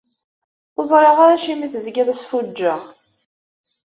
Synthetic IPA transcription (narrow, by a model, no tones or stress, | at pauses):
ʊzˤɾˤeʁaɾaʃimiθəzɡæðæsfud͡ʒːæ